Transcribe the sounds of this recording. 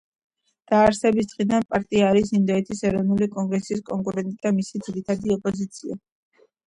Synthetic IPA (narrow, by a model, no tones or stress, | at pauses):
d̪̥aːɾsɛbisd̪ʁʼid̪anpʼaɾt̪ʼiaːɾisind̪ɔɛt̪ʰisɛɾɔvnulikʼɔŋɡɾɛsiskʼɔŋkʼuɾɛnt̪ʼid̪̥amisid̪z̥iɾit̪ʰad̪iɔpʼɔzit̪sʰia̰